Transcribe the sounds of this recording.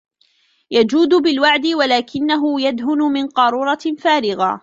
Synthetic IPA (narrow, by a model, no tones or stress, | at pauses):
jad͡ʒuːd̪ʊbɪlwaʕd̪ɪwalaːkɪnːaɦʊjad̪ɦʊnʊmɪnqɑɾˤuːɾˤɑfaːɾɪɣa̰